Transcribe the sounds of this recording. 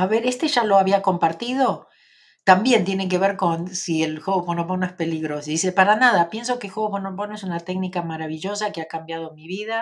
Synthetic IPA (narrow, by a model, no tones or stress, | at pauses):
aβeɾe̞st̪e̞ʒalo̞aβiako̞mpaɾt̪ið̞o̞ | t̪ambje̞nt̪jenek̬e̞βe̞ɾko̞nsielxweɣoponop̬onoespe̞liɣɾosðisepaɾanaðapje̞ns̬o̞kexwoɣoponoponoes̬unat̪eɡnikamaɾaβiʒo̞sakeakambjað̞o̞miβiða